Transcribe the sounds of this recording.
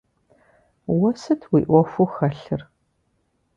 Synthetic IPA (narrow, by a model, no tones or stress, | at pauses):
wɔsɨtʰwiːʔʷɔfʷuxɐɬɨr